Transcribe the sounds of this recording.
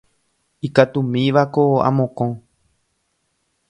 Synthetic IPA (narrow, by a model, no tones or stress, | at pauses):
ikat̪ũmĩʋakoa̰mõkõ